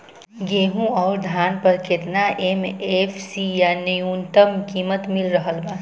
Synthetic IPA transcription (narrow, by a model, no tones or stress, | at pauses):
ɡeːɦũɔːɾd̪ʱaːnpəɾket̪naʔemepʰsijanəjuːnt̪əmkiːmət̪mɪlɾəɦəlbãː